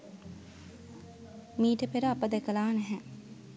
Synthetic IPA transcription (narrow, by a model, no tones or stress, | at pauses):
miːʈəpeɾəapəd̪ɛkəlaːnɛɦɛ